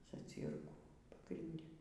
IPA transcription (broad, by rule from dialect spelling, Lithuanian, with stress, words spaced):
zɐˈt͡sʲiːrkuː pɐɡrʲɪnʲˈdʲɛ